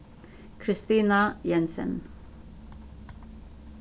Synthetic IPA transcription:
kʰɾɪst̪iːnajɛnsə̰n

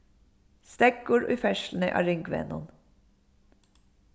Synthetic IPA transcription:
st̪ɛk̚ɡoːɹʔḭːfɛʃln̩ḭːʔɑ̰ːɹɪŋɡʋḛːnɔ̰n

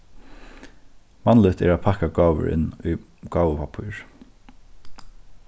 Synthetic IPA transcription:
manlɪt̪ʰɛ̰ːɾæːpʰakaɡɑːʋə̰ɹɪ̰nːʊj | ɡ̥ɑːwəpapʰʊjɹ

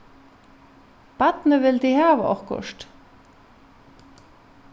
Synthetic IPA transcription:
b̥at̪nəʋɪld̪ihɑːvɔ̰hkʊ̰ʂt

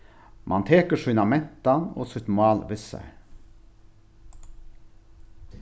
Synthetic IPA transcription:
mʔɑnt̪ʰeːkəʂʉnɑmɛnt̪ɑno̰ːsʏt̪mʊɑːlʋɪsə̰

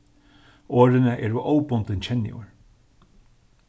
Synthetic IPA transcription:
oːɾɪnɪʔɛɹuʔowpʊnt̪ɪnt͡ɕʰɛnːɪ̰ʊ̰ɹ

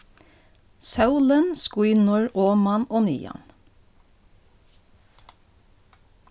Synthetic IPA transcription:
sɑʊlənskwiːnʊɹʔoːmɑnoːnḭːjɑ̰n

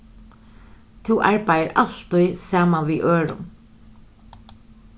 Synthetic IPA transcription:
t̪ʰʊʔaɹpajəɹʔalt̪ʊjsaːmanʋiːʔøːɹʊ̰n

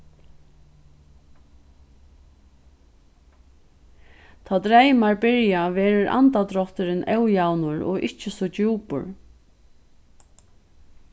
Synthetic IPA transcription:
t̪ʰaːt̪ɾɛjmaɹbɪɹjaʋɛːɾʊɾʔa̰nt̪at̪ɾɔht̪ɪɾɪnʔɛwjawnʊɹɔ̰ʔɪht͡ʃɪsɔt͡ɕuːpʊ̰ɹ

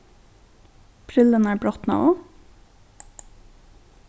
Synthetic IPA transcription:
pʰɾɪlənæːɹbɾɔt̪nɑ̰oː

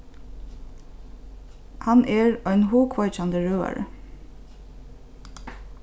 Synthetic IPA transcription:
hɑnʔeːɹœʏnhuːkʰʋɑɪt͡ʃɑnd̪əɹøːɑ̰ɹə̰

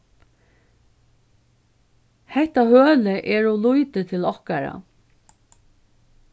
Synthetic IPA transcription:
hɛht̪ahøːləʔɛɹɔlujt̪ət̪ʰɪlɔhkaɾa̰

